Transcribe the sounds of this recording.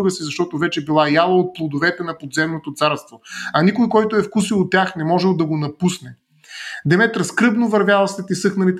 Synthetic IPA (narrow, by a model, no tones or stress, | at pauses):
ɡəsizɐʃt̪ɔt̪ovɛt͡ʃɛbilˠajalˠɐot̪̚plˠod̪ovɛt̪ɛnɐpod̪zɛmnot̪ot̪saɾst̪voɐnʲikojkɔjt̪oɛfkusilˠot̪ʲːjaxnɛmɔʒɛlˠd̪ɐɡonɐpusnɛ | d̪ɛmɛt̪ɾɐskɾɤbnovɐɾvʲjalˠɐsɛt̪isɤxnɐlit̪